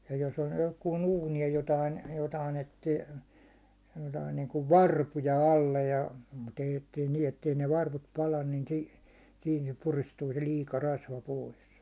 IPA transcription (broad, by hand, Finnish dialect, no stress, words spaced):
jɑ jos on johkuːn uːni jɑ jotɑin jotɑin etːi jotɑin niːŋkuʋ ʋɑrpujɑ ɑlːe jɑ mut eij etːei niː etːei ne ʋɑrʋut pɑlɑn ni siː siːn se puristuː se liːkɑ rɑsʋɑ pois